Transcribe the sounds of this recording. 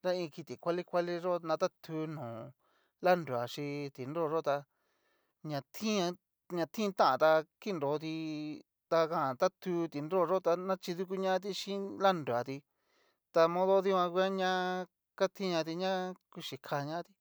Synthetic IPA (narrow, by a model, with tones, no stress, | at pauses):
ɾa˦ĩ˧ki˧t̪i˨kʷa˦li˦kʷa˦li˦ʐo˦nã˧t̪a˦t̪ʰu˧˦nũː˨ | la˦nɾu˨a˨ʃĩ˧t̪i˨nɾɾo˦˨ʐo˦t̪a˧ | ɲã˧t̪ʰĩ˦ã˧ | ɲã˧t̪ʰĩ˦˧t̪ã˦ʔã̰˨t̪a˧ki˦˧nɾo˨˦t̪̬i˧ | t̪a˧kã˦a˨t̪a˦t̪ʰu˧˦t̪i˨˧nɾo˦˨˧ʐo˦t̪a˧nã˦t͡ʃi˧ðu˦˧k̬u˦ɲã˦a˦t̪̬i˦˧ʃĩ˦la˦ndu˨a˨t̪i˧ | t̪a˧mõ˦ðo˦ði˦wʷã˧kʷi˧a˦ɲã˦ | ka˦t̪ʰĩ˦ɲã˧t̪̬i˧ɲã˦ku˧ʃi˨kʰa˧ɲã˦t̪i˧